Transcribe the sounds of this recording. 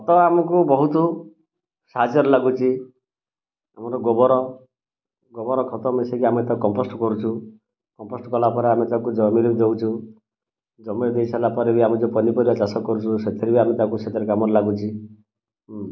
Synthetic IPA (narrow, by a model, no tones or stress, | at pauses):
ɔt̪ɔamɔkubɔɦut̪ɔ | sad͡ʒɔɾɔlaɡut͡ʃʰi | amɔɾɔɡɔbɔɾɔ | ɡɔbɔɾɔkʰɔt̪ɔmesekiamet̪akɔmpɔsʈɔkɔɾut͡ʃʰu | kɔmposʈɔkɔlapɔɾeamet̪akud͡ʒɔmiɾibd̪ewt͡ʃʰu | d͡ʒɔmiɾd̪ejsʰalapɔɾebiamɔd͡ʒopɔnipɔɾibat͡ʃasɔkːɔɾut͡ʃʰuset̪ʰiɾibiamet̪akuset̪ʰiɾekamɔɾɔlaɡut͡ʃʰi